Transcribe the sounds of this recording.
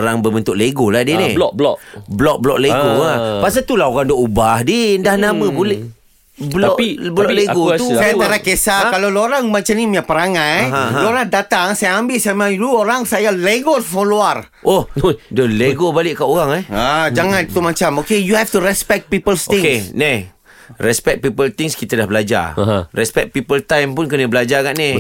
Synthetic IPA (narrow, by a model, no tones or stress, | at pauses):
ɾaŋbəbənt̪ʊʔleɡoladenilɔblɔ̰ʔblɔk̚blɔʔ̚leɡoapaʔsat̪ulaɦoɣaŋdɔʔubahdindahnamə̃bolɛh | blɔʔblɔleɡot̪usajad͡ʒaɾakesakaloloɾaŋmat͡ʃamnimiapəɾaŋanɦãoɾahdat̪aŋsajaambɪlsamaluoɾaŋsajaleɡofɔloar | ʔohdɔleɡobalɪʔkaʔoɣaŋɛad͡ʒaŋãnt̪umat͡ʃamokejuhɛft̪uɾɛspɛk̪̚pipəlst̪ɪŋesne | rɛspɛk̚pipəlt̪iŋskit̪ədahbəlad͡ʒa̰rɛspɛk̚pipəlt̪ajmpʊnkənəbəlad͡ʒaɡaʔne